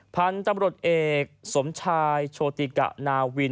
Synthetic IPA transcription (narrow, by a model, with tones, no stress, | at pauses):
pʰa˧˥nt̪a˧mɾu˨˩ə˩t̪̚ʔeː˨˩k̚so˩˦mt͡ɕʰaː˧jt͡ɕʰoː˧t̪i˨˩ka̰˨˩ʔnaː˧wi˧